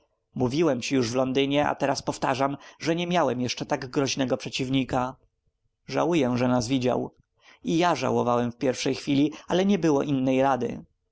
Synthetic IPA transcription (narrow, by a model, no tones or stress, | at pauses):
muvʲiwɛmt͡ɕijuʐvlɔnd̪ɘɲɛa̰t̪ɛɾaspɔft̪aʐamʐɛɲɛmʲjawɛmjɛʂt͡ʂɛt̪aɡɡɾɔʑnɛɡɔpʂɛt͡ɕivɲika | ʐa̰wujɛʐɛnazvʲid͡ʑa̰w | ijaʐa̰wɔvawɛmfpʲjɛɾfʂɛjxfʲilʲialɛɲɛbɘwɔʔinːɛjɾad̪ɘ̰